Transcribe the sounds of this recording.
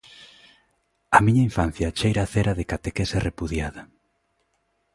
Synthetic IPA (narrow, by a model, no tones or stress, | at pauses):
ɐmiɲaiɱfan̟θjɐt͡ʃejɾaθeɾaðekat̪ekeserepuðjaðɐ